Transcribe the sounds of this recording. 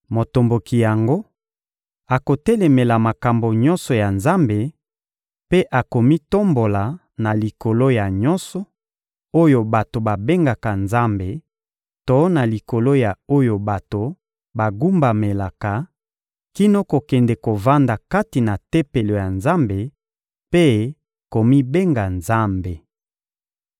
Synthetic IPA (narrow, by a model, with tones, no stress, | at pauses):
mo˨to˨mbo˨ki˨ja˨ŋɡo˦ | a˨ko˨tɛ˦lɛ˨me˨la˨ma˨ka˨mbo˨ɲɔ˦nsɔ˨ja˨nza˦mbe˨ | pe˦ʔa˨ko˨mi˦to˦mbo˨la˨ | na˨li˨ko˨lo˦ja˨ɲɔ˦nsɔ˨ | o˦jo˨ba˨to˨ba˨be˦ŋɡa˨ka˨nza˦mbe˨ | to˦na˨li˨ko˨lo˦ja˨o˦jo˨ba˨to˨ | ba˨ɡu˦mba˨me˨la˨ka˨ | ki˦no˦ko˨kɛ˨ndɛ˨ko˨va˦nda˨ka˦ti˨na˨tɛ˦pe˨lo˨ja˨nza˦mbe˨ | pe˦ | ko˨mi˦be˦ŋɡa˨nza˦mbe˨